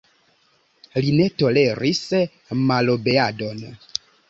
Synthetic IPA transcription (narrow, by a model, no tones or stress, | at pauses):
line̞to̞le̞ɾis | malobe̞ado̞n